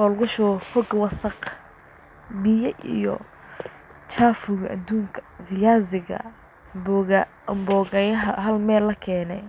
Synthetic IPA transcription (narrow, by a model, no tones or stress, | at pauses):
hɔːlɣʊʃʊfɔɡwɑsɐq | bɪjɐʔḭjɔ̰ | t͡ʃʰaːfʊɣɐʔad̪uːŋkʰɐ̥rɪjaːzɪɣɐ̰ | b | mbɔːɣɐjɐɦɐɦɐlmɛːlːɐkʰɛːnɛ̰